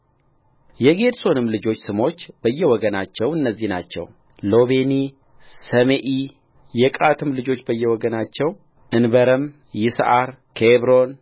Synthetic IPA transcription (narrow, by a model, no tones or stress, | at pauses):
jɛɡe̞d̪so̞nɨmlɨd͡ʒo̞t͡ʃːsɨmo̞t͡ʃːb̥əjːɛwɔɡənat͡ʃːɛwɨnːəzːihna̰t͡ʃːɛ̰w | lo̞βe̞ni | səmeʔi | jɛkʼat̪ʰɨmlɨd͡ʒo̞t͡ʃːbəjːɛwɔɡənat͡ʃːɛw | ʔɨnbəɾəm | jɪsʔaɾkʰeβɾo̞n